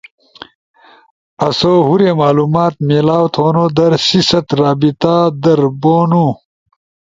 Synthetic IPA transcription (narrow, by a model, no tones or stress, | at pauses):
ɐsoːɦuɾeːmaːluːmaːt̪̚meːlaːwt̪ʰoːnoːd̪ɐɾsisɐt̪ɾaːbit̪aːd̪ɐɾboːnu